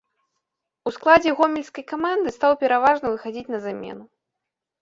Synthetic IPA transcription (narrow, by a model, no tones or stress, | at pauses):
usklˠad͡zʲɛɣɔmʲɛlʲskɐjkamand̪ɨst̪awpʲɛɾavaʐnɐvɨxad͡zʲit͡sʲnɐzamʲɛ̰nu